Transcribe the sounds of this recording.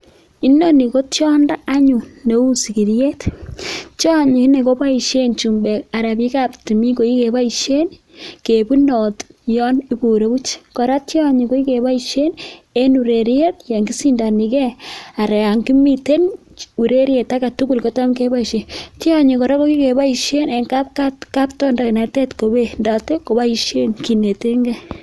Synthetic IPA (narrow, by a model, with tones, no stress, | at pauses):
i˦no˦ni˨ko˦tjɔ˦nda˦ʔa˦ɲu˨ne˨u˦si˨ki˨ɾje˦t | t͡ʃjɔ˦˨ɲi˨i˦ne˨ko˦pa˦i˨ʃe˦nt͡ʃu˨mbe˨ka˨ɾa˨pi˦ka˦pti˨mi˦ko˨i˦ke˨pa˦iʃe˦n | ke˨pu˦nɔ˨tjɔ˦ni˦pu˨ɾe˨˦bu˦t͡ʃkɔ˨ɾa˦tja˦ɲi˨ko˦i˦ke˨ba˦iʃe˦ne˦nu˨ɾe˨ɾje˦t̚ja˨ŋɡi˦si˦nda˨ni˨kɛ˦a˨ɾɛ˨a˨ŋɡi˦mi˦te˦n | u˨ɾe˦ɾje˨ta˦ka˨tu˦ku˨lko˨ta˦mke˦ba˦i˨ʃe˨ti˦a˦ɲi˨kɔ˨ɾa˦ko˦ki˦ke˨ba˦i˨ʃe˦ne˨ŋka˦p̚ka˦tka˦ptɔ˦nda˨kna˨te˦tko˨be˨nda˨te˦ko˨ba˦i˨ʃe˦nki˨ne˨te˦ŋɡɛ˦